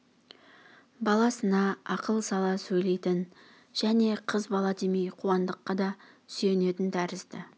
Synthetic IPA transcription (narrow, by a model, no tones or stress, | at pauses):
bɑlˠɑsənɑɑqəlˠsɑlˠɑsɵjle̞jt̪ɪn | ʒ̥æne̞qʰəzbɑlˠɑd̪emijqʰuɑnd̪əqːɑd̪ɑ | sje̞ne̞t̪ɪnt̪ʰæɾɪzd̪ɪ